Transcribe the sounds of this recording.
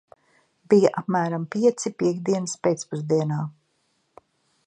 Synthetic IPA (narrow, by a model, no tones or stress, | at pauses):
bijaʔapmæːɾampiɛt̪sipʲiɛɡd̪iɛnspeːt̪spuzd̪iɛnaː